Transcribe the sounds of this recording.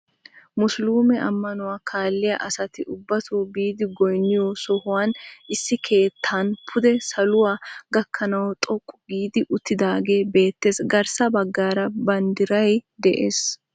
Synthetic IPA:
mʊsluːmɛʔɐ̰mːɐnʊwaːkʰaːlːɪjɐʔɐsɐt̪ɪʔʊbːɐt̪oːbiːd̪ɪɡɔjnːɪjɔsɔhʊwaːnʔɪsːɪkʰe̞ːt̪ʰːanpʰʊd̪ɛsɐlʊwaːɡɐkʰːɐnɐwt̪ʼɔkʼːʊɡiːd̪ɪʔʊt̪ːɪd̪aːɡe̞ːbe̞ːt̪ːe̞ːsɡɐɾsɐbɐɡːaːɾɐbɐnd̪ɪɾɐjd̪ɛʔeːs

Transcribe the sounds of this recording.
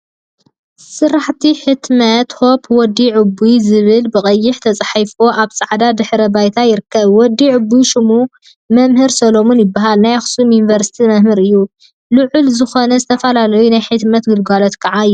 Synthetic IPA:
sɨrːaħt̪ʰiħɨt̪mɐt̪ho̞pʰwɔd̪ːiʕɨbːujzɨβɨlbɨkʼɐjːɪħt̪ʰɐt͡sʼħajfoʔaβsʼaʕd̪ad̪ɨħɾɐbajt̪ʰajɪɾɨkʰːɐβwɔd̪ːiʕʊbːujʃɪmu | mɐmhɨɾsɐlo̞munjɪbːaɦalnajaxsumjunivɐɾsi̥t̪ʰimɐhmɨɾɨjːu | lɨʕʊlzɨxo̞nɐzɨt̪ʰɐfɐlalɐjunajħɨt̪mɐt̪ɡɨlɡalo̞t̪kʰɐʕaɨjːu

